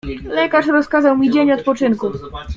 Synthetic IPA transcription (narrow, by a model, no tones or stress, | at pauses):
lɛkaʂɾɔskazawmʲid͡ʑeɲɔt̪̚pɔt͡ʂɘnku